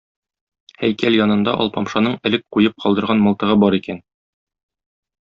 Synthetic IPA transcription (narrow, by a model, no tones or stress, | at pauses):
hæjkæljɒnɤ̆nd̪ɑʔɒ̰lˠpɒmʃɑnɤɴɘ̆lɘk̚qujɤp̚qʰɒlˠd̪ɤ̆ɾʁɑnmɒlˠt̪ɤ̆ʁɤbɒɾikæn